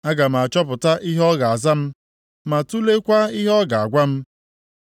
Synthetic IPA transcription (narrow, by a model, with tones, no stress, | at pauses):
a˦ɡa˨ma˨t͡ʃɔ˦pʊ˨ta˦ʔi˦ɦɔ˦ɡa˨a˨za˦m̩˦ | ma˨tu˦le˦kʷa˦i˦ɦɔ˦ɡa˨a˨ɡʷa˦m̩˦